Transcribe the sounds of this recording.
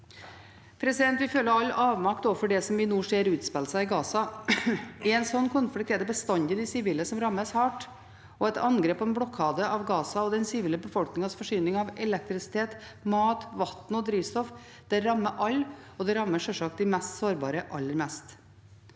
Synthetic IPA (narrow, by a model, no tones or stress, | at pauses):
pʰɾɛsɪd̪ɛnt̪ʋɪlføːləɑlːɑːʋmɑkt̪oːfɔɖɛsɔmɪnuːʂeːɾʉːt̪spɛlsɑɪɡɑːsɑ | ɛnsɔnːkʰɔnfɔɽɪkt̪ʰeːd̪əbəst̪ɑnd̪ɪd̪ɪsɪʋiːləsɔmɾɑmːəshɑːʈ | ɔɛt̪ɑnɡɾeːpʰːɔɛnblɔkʰːɑːd̪əʔɑʋɡɑːsɑɔd̪ɛnsɪʋiːləbəfɔlknɪŋɑsfɔʂyːnɪŋɑʋɛlɛk̚t̪ɾɪsɪ̥t̪ʰeːt̪ | mɑːt̪ʋɑt̪n̩ɔd̪ɾiːʋst̪ɔf | d̪̥ɛɾɑmːəʔɑlːɔd̪ɛɾɑmːəʂœʂɑk̚t̪d̪ɪmɛst̪soːɾbɑːɾəʔɑ̰lːəɾmɛst̪